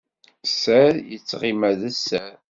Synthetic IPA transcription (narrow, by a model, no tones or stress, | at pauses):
sæɾjət͡sːʁimæðəsːæɾ